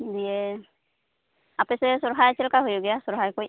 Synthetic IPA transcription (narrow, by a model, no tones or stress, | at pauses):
dijɛ | apɛsɛsɔɹɦajt͡ʃɛlkaɦojoɡɛjasɔɹɦajkoj